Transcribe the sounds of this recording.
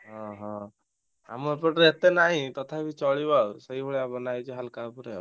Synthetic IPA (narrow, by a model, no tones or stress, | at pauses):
ɦɔ̃ɦɔ̃ | a̰məɾpɔʈet̪enaɦĩt̪ɔt̪ʰabʱit͡ʃɔɭibasəɦibɔɭjabɔnajd͡ʒiɦalkapuɾe